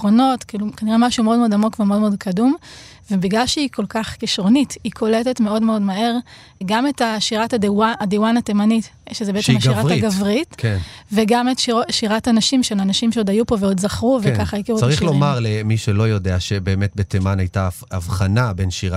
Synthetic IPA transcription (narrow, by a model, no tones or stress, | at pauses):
ʁono̞tkilukaniʁemaʃumeo̞dmo̞damo̞kvemeodmeo̞d̚kʰadum | vebiɡlalʃeiko̞lkaχkiʃʁo̞nitikʰo̞letetme̞o̞dmeo̞dmaɦe̞ʁ | ɡame̞taʃiʁatadwaadiwanatemanitʃezebeet͡seemaʃiʁaʁaɡavʁitkenveɡametoʃiʁatanaʃimʃeanaʃimʃeodajupo̞veo̞dzaχʁuvkekaχajikiʁuaʁiχlomaʁlemiʃelo̞jo̞deaʃebe̞ːmet̚betemanajtaavχanabenʃiʁa